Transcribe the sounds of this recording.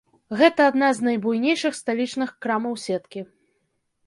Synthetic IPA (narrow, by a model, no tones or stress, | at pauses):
ɣɛt̪ɐːd̪naznɐjbujnʲejʂɨxst̪alʲit͡ʂnɨxkɾamɐwsʲɛt̪kʲi